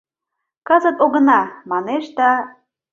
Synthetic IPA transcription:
kɑzə̆t̪oɣə̆nɑmɑneʃd̪ɑ

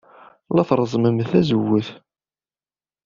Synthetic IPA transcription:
læθɾˤəzˤməmθæzəwːəθ

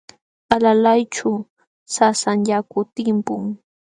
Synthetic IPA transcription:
alalajt͡ʃʊ | sasaŋʎakʊt̪ɪmpʊŋ

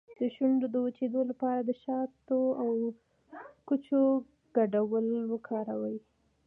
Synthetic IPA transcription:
d̪əʃuɳɖod̪əwut͡ʃed̪olapɑɾad̪əʃɑt̪oaw | kut͡ʃo | ɡ̥aɖawəlwəkʰɑɾawəji

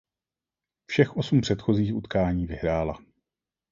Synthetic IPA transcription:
fʃɛxʔo̞sumpr̥ɛt̪xo̞ziːxʔut̪kaːɲiːvɪɦɾaːla

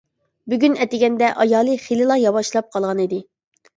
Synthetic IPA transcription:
byɡʲynɛt̪ɪɡʲɛnd̪ɛʔɑjɑːlˠɨχelɨlˠɑjɑwɑʃlˠɑp̚qʰɑlˠʁɑnid̪ɪ

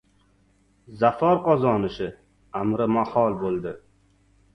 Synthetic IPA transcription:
zafɒɾqɒzɒnɪʃɪ | amɾɪmahɒlˠbolˠd̪ɪ

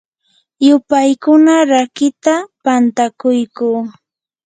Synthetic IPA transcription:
jʊpajkʊnaɾakɪt̪apant̪akʊjkuː

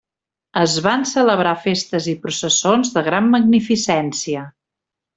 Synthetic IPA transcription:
əzβansələβɾafest̪əzipɾusəsonzðəɣ̞ɾamːəɡnifisɛnsiə

